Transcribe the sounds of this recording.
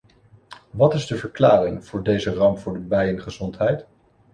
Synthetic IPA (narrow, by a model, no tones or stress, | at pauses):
ʋɑtɪzdəvəɹklaːrɪŋv̥ʊːɹdejzərɑmvʊːɹdəbɛjənχəzɔntɦɛjt